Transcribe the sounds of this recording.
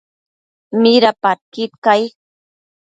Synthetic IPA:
mɪɾapaɾ̚kɪt̪̚kaj

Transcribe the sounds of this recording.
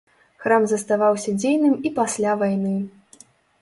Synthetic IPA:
xɾamzɐst̪avawsʲɐd͡zʲejnɨmipasʲlʲavajnɨ

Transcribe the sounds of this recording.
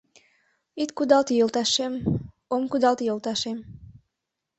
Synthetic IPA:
it̪kud̪ɑlˠt̪jəlˠt̪ɑʃem | omkud̪ɑlˠt̪jəlˠt̪ɑʃem

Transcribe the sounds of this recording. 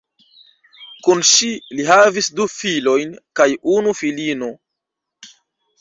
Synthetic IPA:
kunʃiliɦavisdufilo̞jnkajunufilino̞

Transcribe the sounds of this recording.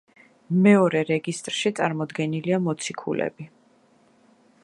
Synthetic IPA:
mɛɔɾɛɾɛɡist̪ʼɾʃit̪sʼaɾmɔd̪ɡɛniliamɔt̪sʰikʰṵlɛ̰bi

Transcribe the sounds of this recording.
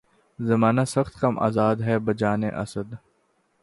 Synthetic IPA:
zɐmaːnasɐxt̪kɐmʔa̰ːzaːd̪ɦɛbɐd͡ʒaːneʔɐ̰səd̪

